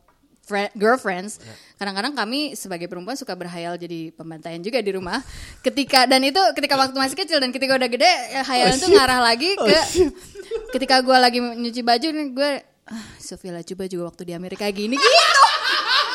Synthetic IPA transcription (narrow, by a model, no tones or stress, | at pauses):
fɛɡəlfɾɛnskadaŋkadaŋkamisəbaɡajpəɾumpuansukabərɦajald͡ʒadipəmbant̪ajand͡ʒuɡadiɾumahkət̪ikadanit̪ukət̪ikawak̚t̪umas̬ikət͡ʃɪldankət̪ikaudaɡədɛɦajalant̪uŋaɾahlaɡikə | kət̪ikaɡualaɡiəɲut͡ʃibad͡ʒuɡua | əhsofialat͡ʃubad͡ʒuɡawak̚t̪udiameɾikaɡiniɡit̪u